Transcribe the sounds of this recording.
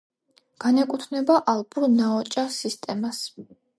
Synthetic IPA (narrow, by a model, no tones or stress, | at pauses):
ɡ̥anɛkʼut̪ʰnɛbaʔalˠpʼuɾnaɔt͡ʃʼasist̪ʼɛmas